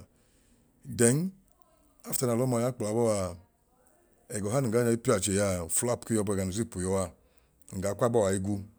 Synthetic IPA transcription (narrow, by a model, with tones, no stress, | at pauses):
dɛ˨˦ŋ˦ | a˦fta˨˧na˨lɔ˦ma˧˨ja˦k͡pla˨bɔ˦wa˧˨ | ɛ˨ɡɔ˨ɦa˦ni˨ɡa˨˦a˧˦i˦pi˦a˨d͡ʒe˨ja˧˨fu˦la˦˨pki˦jɔ˧˨bɛ˨ɡa˨nu˨zi˦˨pu˨jɔ˧wa˧˨ | ŋ̩˨ɡa˨˦kʷa˦bɔ˦wa˨i˧ɡʷu˧